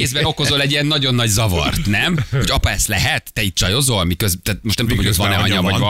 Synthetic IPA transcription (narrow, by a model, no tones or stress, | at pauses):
eːzbɛnoko̞zolɛɟijɛnːɒɟo̞nːɒɟzɒvɒ̰rt̪nɛmho̞ɟɒpɒɛst̪lɛɦɛt̪ːɛiːt̪t͡ʃɒjo̞zolmikøzt̪æːt̪̚moʃtnɛmt̪omhoot̪vɒnɛɒɲɒvɒ